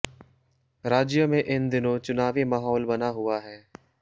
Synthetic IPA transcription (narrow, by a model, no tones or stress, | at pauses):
ɾaːd͡ʒjəmẽʔɪnd̪ɪnõt͡ʃʊnaːʋimaːɦɔːlbɐnaɦʊaɦɛː